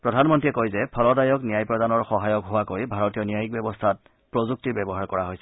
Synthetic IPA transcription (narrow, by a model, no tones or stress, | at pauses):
pɹɔdʱanmɔntiɛkojzɛpʰɔlɔdajɔknijajpɹɔdanɔɹxɔɦajɔkɦʊwakojbʱaɹɔtijɔnijajik̚bɛbɔstʰat̚ | pɹozuk̚tiɹbɛbɔɦaɹkɔɹaɦojsɛ̥